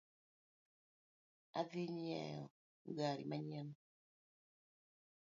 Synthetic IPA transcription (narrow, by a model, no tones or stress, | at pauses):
aðiɲɛ̰jɔ | ŋɡaɾḭmaɲɛnɔ